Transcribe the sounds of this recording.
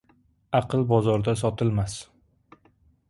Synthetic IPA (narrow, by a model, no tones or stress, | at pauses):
ɑqʰɨlˠbɒzɒɾd̪asɒt̪ʰɪlmas